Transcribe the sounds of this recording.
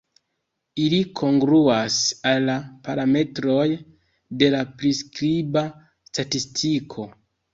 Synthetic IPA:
ilikʰo̞ŋɡɾuasalːapaɾame̞tɾo̞j | de̞lapɾiskɾiba | statistʰikʰo̞

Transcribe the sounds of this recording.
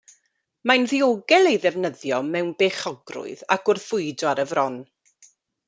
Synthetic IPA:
manðioɡɛlˠejðɛvnəðjɔmɛwnbeːχɔɡrʊ̰ɨða̰kʊrθʊɨdɔaɾəvrɔn

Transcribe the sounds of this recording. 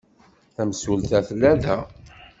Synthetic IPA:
θæməsult̪æθəlːæðæ

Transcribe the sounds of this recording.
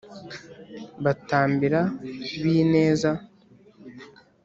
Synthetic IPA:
βataːmbiɾaβiːne̞ːza

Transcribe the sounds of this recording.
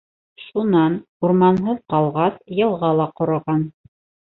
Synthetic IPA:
ʃunɑn | uɾmɑnɦɤðqɑlˠʁɑsjɤ̆lˠʁɑlˠɑqŏɾŏʁɑn

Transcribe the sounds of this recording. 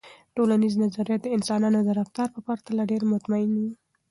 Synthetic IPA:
ʈolaniznazaɾjat̪̚d̪əɪnsɑnɑnod̪əɾaft̪ɑɾpəpaɾt̪alaɖeɾmʊt̪maɪni

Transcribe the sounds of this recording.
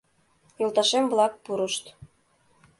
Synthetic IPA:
jŏlˠt̪ɑʃemblˠɑk̚puɾɤ̆ʃt̪

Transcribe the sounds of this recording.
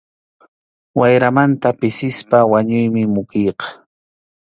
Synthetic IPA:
wajɾamant̪apɪsɪspawaɲʊjmɪmʊkijqɑ̥

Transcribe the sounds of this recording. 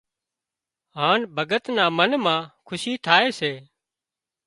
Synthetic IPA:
ɦaːnbʱəɡət̪nãːmənmãːkʰʊʃiːt̪ʰaːeːseː

